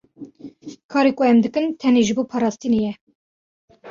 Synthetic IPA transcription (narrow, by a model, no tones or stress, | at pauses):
kʰɑːɾeːkʷʊɛmd̪ɨkɨnt̪ʰɛneːʒɨboːpʰɑːɾɑːst̪inejɛ